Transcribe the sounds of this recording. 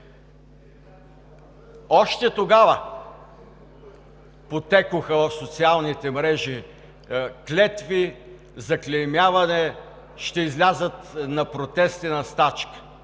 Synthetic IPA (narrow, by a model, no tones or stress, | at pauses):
ɔʃt̪ɛt̪oɡavə | pot̪ɛkʊxəvɐfsot̪sialˠnit̪ɛmɾɛʒi | klʲɛt̪vi | zɐklʲɛmjavɐnɛ | ʃt̪ɛizlʲazət̪nɐpɾot̪ɛst̪inɐst̪at͡ʃkə̥